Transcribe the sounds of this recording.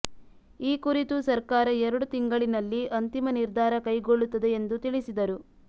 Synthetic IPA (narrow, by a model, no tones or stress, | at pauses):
iːkuɾit̪usɐɾkaːɾɐɛɾɐɽut̪iŋɡɐɭinɐlːiʔɐnt̪imɐniɾd̪ʱaːɾɐkɐjɡo̞ɭːut̪ːɐd̪eend̪ut̪iɭisid̪ɐɾu